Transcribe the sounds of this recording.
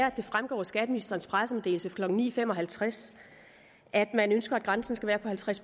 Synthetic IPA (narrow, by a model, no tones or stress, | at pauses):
ɐæd̥e̝fʁamɡ̥ɒ̰ːsɡ̥æd̥əminisd̥ʁɐn̩spʰʁasəmede̝̰ːl̩səkʰlɒ̽ɡ̥ŋ̩nḭːfem̰ɒ̽ɦælt͡sʰʁas | ʔæd̥mænønsɡ̥ɐæd̚ɡ̥ʁɑ̈nsn̩sɡ̥æʋæːɐpʰɒ̽hælt͡sʰʁas